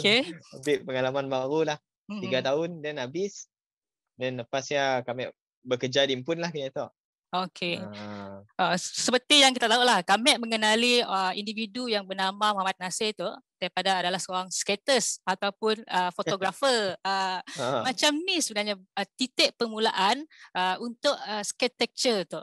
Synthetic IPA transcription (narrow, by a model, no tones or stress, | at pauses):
okebiʔpəŋalamanbaɾulah | m̩iɡat̪aʊndɛnabɪs | dɛnləpasɲakamɛʔ | bəkəd͡ʒadimpʊnlahkinit̪ɔʔ | okʰe | əsəpət̪ɪjaŋk̬it̪at̪auʔlahkamɛʔ̚məŋənaliəindividujaŋbənamamoɦamat̪̚naset̪uʔd̥aipadaːdalahsəoɾaŋskɛt̪əsat̪awpʊnəfot̪oɡɾafəəmat͡ʃamnisəbənarɲaət̪it̪ɛʔpəmulaʔanʔəunt̪ʊʔəskɛt̪ːɛk̚t͡ʃət̪uʔ